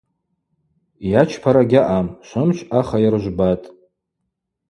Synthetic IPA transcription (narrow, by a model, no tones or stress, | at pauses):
jat͡ʃʰpʰaɾaɡʲɪʔamʃʷʊmʃʷaχajarʒʷbatʼ